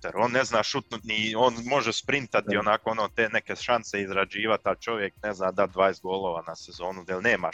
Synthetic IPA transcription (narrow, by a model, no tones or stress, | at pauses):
t̪eɾo̞ːnːeznaːʃut̪nut̪nioːnmo̞ʒespɾint̪at̪io̞nakoonot̪enekeʃanseizɾad͡ʒiːʋat̪alt͡ʃo̞ʋjekneznaːd̪at̪d̪ʋaːjest̪ɡo̞lˠoːʋaːnasezo̞ːnud̪ajelʲneːma̰